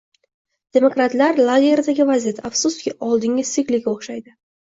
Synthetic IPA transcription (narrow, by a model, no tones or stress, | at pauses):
d̪̥e̞mokɾat̪laɾlˠaɡʲe̞ɾd̪aɡʲɪvazijat̪ʰaafsust̪kʲɪʔɒlˠd̪ɪŋʲɪz̥sɪkʲlɪɡʲoχʃajd̪ɪ